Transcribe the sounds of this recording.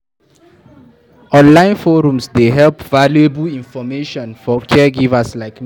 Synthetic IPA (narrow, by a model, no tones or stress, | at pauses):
ɔ̃nlãɪ̃nfɔɹũmsdeɦɛlpvaluebəlĩnfɔmeʃɔ̃nfɔkʰɛɡivəslaɪk